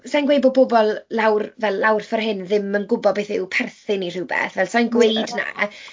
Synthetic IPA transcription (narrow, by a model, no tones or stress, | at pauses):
sajnɡwejbɔbɔbɔlˠlawrvɛlˠlawrfɔrɦɪnðɪmənɡʊbɔbeːθɪwpʰɛrθɪnir̥ɪwbɛ̰θvɛlˠsajnɡwejdna̰